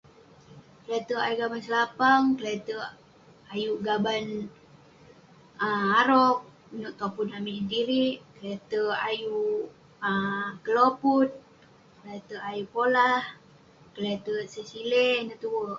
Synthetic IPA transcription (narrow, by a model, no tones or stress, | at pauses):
kəlat̪əa̰juʔɡabansəlapaŋkəlat̪ə | ajuʔɡaban | əaɾɔk̚ | noʔt̪oputnamisəndiɾiʔkəlet̪əaju | əkəloput̪̚ | kəlat̪əajupolah | kəlet̪əsəsilenət̪uwə